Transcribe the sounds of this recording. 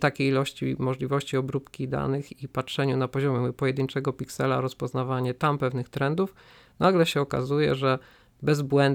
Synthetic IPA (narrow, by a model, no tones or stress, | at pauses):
t̪akʲejilɔɕt͡ɕḭmɔʐlʲivɔɕt͡ɕiɔbɾupkʲid̪a̰nɘxipatʂɛɲunapɔʑɔmʲjɛpɔjɛd̪ɘɲt͡ʂɛɡɔpʲiksɛla̰ɾɔspɔznavaɲɛt̪ampɛvnɘxt̪ɾɛnd̪uf | nʔaɡlɛɕɛɔka̰zujɛ̰ʐɛ | bɛzbwɛnd̪